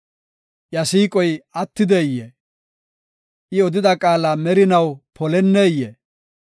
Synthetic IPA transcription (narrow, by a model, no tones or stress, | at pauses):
ʔjɐsiːkʼɔjɐt̪ːɪd̪ɛjːɛ | ʔɪɔd̪ɪd̪ɐkʼaːlamɛɾɪnɐwpʰɔlɛnːeːjːɛ